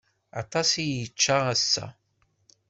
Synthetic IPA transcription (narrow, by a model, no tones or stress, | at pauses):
ɑt̪ˤɑsijət͡ʃːaʁæsːæ̰